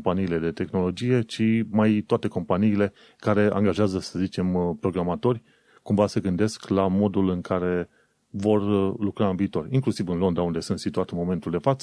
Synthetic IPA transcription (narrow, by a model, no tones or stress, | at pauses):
mpaniːle̞d̪e̞t̪e̞xno̞lo̞d͡ʒije̞t͡ʃimajt̪oat̪e̞ko̞mpaniːle̞ | kaɾe̞a̰ŋɡaʒeazəsəzit͡ʃe̞mpɾo̞ɡɾamat̪o̞rʲ | kumvaseɡɨnd̪e̞sklamo̞d̪ulɨŋkaɾe̞ | vo̞rlukɾaɨnviːt̪o̞riŋklusivɨnlo̞nd̪ɾaund̪e̞sunt̪sit̪uat̪mo̞me̞nt̪uld̪e̞fat̪sə